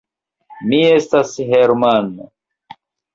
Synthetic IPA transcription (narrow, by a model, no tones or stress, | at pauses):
mie̞stasheɾmano